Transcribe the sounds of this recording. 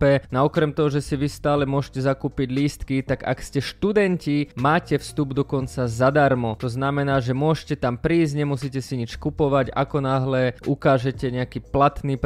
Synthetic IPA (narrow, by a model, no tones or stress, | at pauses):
pɛnaɔkɾɛmt̪ɔɦɔʒɛsiʋist̪aːlɛmʊɔʃcɛzakuːpiɟliːst̪kit̪aɡa̰kscɛʃt̪ud̪ɛncimaːcɛfst̪ubd̪ɔkɔnt͡sazad̪aɾmɔt̪ɔznamɛnaːʒɛmʊɔʃcɛt̪ampɾiːzɟɲɛmusiːcɛsiɲit͡ʃkupɔʋaɟa̰kɔnaɦlɛʔukaːʒɛcɛɲɛakiːplat̪niːp